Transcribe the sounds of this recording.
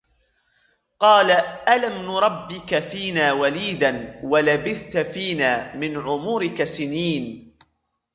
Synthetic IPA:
qɑːlaʔalamnʊɾˤɑbːɪkafiːnaːwaliːd̪anwalabɪθt̪afiːnaːmɪnʕʊmuːɾɪkasɪniːn

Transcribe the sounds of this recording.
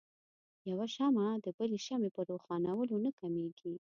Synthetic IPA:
jawaʃamad̪əbəleʃamepəɾoxɑnawəlonakameɡi

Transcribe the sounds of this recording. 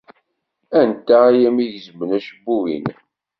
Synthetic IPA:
ænt̪ːaæjæmiʝzəmənæʃəbːuwḭn

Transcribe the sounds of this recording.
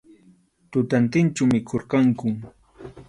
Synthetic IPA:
t̪ʊt̪ant̪ɪnt͡ʃamɪkʰoɾkaŋkʊm

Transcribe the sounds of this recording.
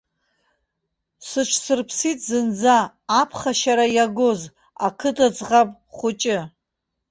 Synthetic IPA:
sɨʈ͡ʂʰsɨrpʰsitʼzɨnd͡zaː | pʰχaʃaɾajaɡʷoz | akʰɨtʰʼat͡sʼʁapʼ | χʷʊt͡ʃʼɪ

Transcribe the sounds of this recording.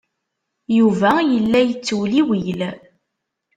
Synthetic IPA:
juvæjəlːæjət͡sːwliwijl

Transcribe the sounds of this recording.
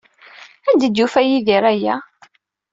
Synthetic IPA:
ænd̪əd̪jufæjiðiɾæjæ

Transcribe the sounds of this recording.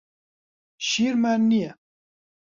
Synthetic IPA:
ʃiɾmɛɾnijɛ

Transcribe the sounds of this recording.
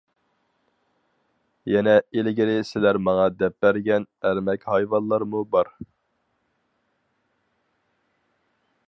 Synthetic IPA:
jɛnɛelɡʲiɾɪsɪlæɾmɑŋɑd̪ɛp̚ːæɾɡʲɛnæɾmɛkʲhɑjvɑnlˠɑɾmubɑɾ

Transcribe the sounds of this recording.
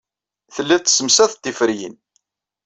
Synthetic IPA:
θəlːit̪ːsəmsæθt̪ːifəɾjḭn

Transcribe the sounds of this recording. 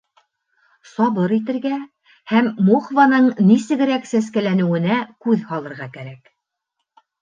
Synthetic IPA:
sɑβɤɾit̪ɘ̆ɾɡæ | hæmmuχvanɤɴnisɘ̆ɡɘ̆ɾæksæskælænɘ̆wɘ̆nækʉðhɑlˠɤ̆ɾʁɑkæɾæk

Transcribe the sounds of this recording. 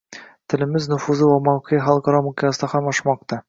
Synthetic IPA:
t̪ɘ̆lɘ̆mɘznŏfuzɤwɒmɑwqiχɑlˠkɑ̆ɾɑmukʲeɑst̪ɑχɑmɒʃmɑq̚t̪ɑ

